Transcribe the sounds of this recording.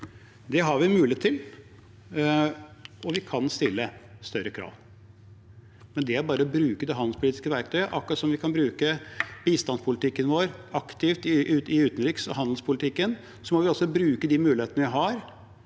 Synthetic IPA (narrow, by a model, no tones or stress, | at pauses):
d̪ɛɦɑɾʋɪmʉːlɪeːt̪ʰːɪl | ɔʋɪkʰɑnst̪ɪlːəst̪œɾəkʰɾɑ̰ːʋ | mɛnd̪ɛæɾbɑːɾəɔbɾʉːkəd̪ɛɦɑnd̪̩spʊliːt̪ɪ̥skəʋæɾk̚t̪ʰœʏəʔɑkːɾɑt̪sɔmʋɪkʰɑnbɾʉːkəb̥iːst̪ɑnspʰʊlɪt̪ɪkːənʋoːɾɑkt̪ʰɪft̪ɪʔʉɪʉːt̪ən̩ɾɪksɔ̰ɦɑnd̪l̩spʊlɪt̪ʰɪkːən | sɔmɔʋɪɔsɔbɾʉːkəd̪ɪmʉːlɪeːt̪ənəʋɪɦɑɾ